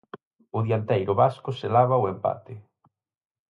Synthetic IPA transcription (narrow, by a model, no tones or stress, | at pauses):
ʊðijant̪ejɾʊβaskʊselaβaʊempa̰t̪ɪ